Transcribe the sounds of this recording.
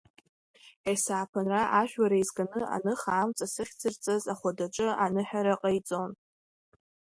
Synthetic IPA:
esaːpʰanraʔaʒᶣwaɾaizɡʼanɨa̰nɨχaːmt͡sʼasɨχʲt͡sʰɨrt͡sʼazaχʷadaʈ͡ʂʼɨanɨħaɾaqʼajt͡sʼon

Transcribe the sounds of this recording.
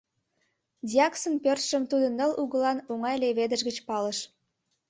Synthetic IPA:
d̪ʲiɑksənpørt̪ʃəmt̪ud̪ənːəluɣəlɑnoŋɑjleβed̪əʃɣət͡ɕpɑləʃ

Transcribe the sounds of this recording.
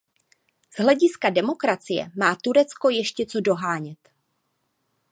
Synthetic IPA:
z̥ɦlɛɟɪskadɛmo̞kɾat͡sɪjɛ̰maːt̪uɾɛt͡sko̞jɛʃcɛt͡so̞do̞ɦaːɲɛt̪

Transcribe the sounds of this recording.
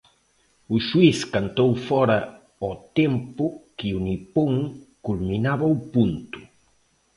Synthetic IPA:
uʃwiskant̪owfɔɾɐ | ɔt̪empʊkɪunipoŋkulminaβɐupunt̪ʊ̥

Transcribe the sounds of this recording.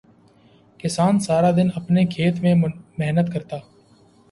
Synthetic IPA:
kɪsaːnsaːɾad̪ɪnɐpnekʰeːt̪mẽmɛɦnət̪kɐɾt̪aː

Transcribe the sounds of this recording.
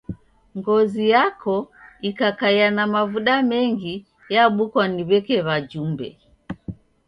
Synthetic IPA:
ŋɡɔzijakʰɔikakajanamavuɗamɛŋɡi | jaɓukwaniβɛkɛβad͡ʒumbɛ̰

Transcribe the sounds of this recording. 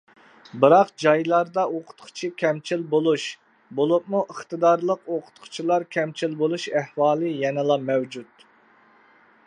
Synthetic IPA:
bɨɾɑqd͡ʒɑjlˠɑɾd̪ɑoqʰʊ̥t̪qʰʊ̥t͡ʃʰikʲʰɛmt͡ʃʰilbolˠuʃ | bolˠup̚muʔəχt̪ɨd̪ɑɾlˠəqoqʰʊ̥t̪qʰʊ̥t͡ʃʰilˠɑɾkʲʰɛmt͡ʃʰilbolˠuʃæhwɑːlˠɨjɛnɨlˠɑmɛwd͡ʒut̪̚

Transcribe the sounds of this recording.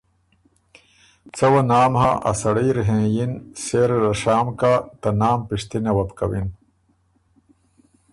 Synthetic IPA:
t͡sɐwɐnaːmɦa̰ʔɐ̰sɐɽijɾɦẽːjinseːɾɾɐʂaːmkat̪ɐnaːmpiʂt̪inewɐp̪kɐwin

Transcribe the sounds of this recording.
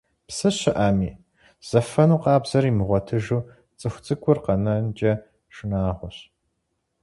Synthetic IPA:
psɨɕɪʔaːmiː | z̥ɐfɐnuːqɑːbz̥ɐɾimɨʁʷɔtʰɨʒuː | t͡sʼɨxʷt͡sʼɨkʷʰʼʊrqɐnɐnd͡ʒʼɐ | ʂɨnaːʁʷʊɕ

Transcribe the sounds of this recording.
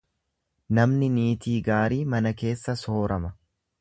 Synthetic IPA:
nɐmnɪniːt̪iːɡaːɾiːmɐnɐke̞ːsːɐso̞ːɾɐmɐ

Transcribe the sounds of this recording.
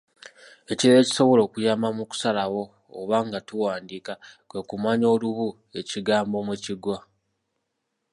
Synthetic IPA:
e̞ciɾe̞ːci̥so̞βo̞lo̞ːkujaːmamuku̥salawo̞ː | βaŋɡatuwaːndiːkakwekumaɲo̞ːluβu | e̞ciɡaːmbo̞meciɡwa

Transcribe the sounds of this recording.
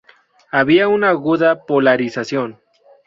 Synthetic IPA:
aβiaunaːɣuðapolaɾisasjo̞n

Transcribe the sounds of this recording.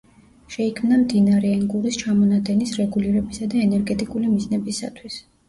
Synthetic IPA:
ʃɛikʰmnamd̪inaɾɛɛnɡuɾist͡ʃʰamɔnad̪ɛnisɾɛɡuliɾɛbisad̪aɛnɛɾɡɛt̪ʼikʼulimiznɛbisa̰t̪ʰwis

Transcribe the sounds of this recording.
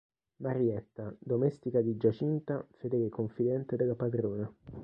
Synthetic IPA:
maɾiɛt̪ːad̪omɛst̪ikad̪id͡ʒat͡ʃint̪afed̪eːlekoɱfid̪ɛnt̪ed̪elapad̪ɾoːna

